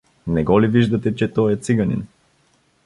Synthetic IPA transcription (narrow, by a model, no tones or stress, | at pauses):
nɛɡɔliviʒd̪ɐt̪ɛt͡ʃɛt̪ɔjɛt̪siɡɐnḭn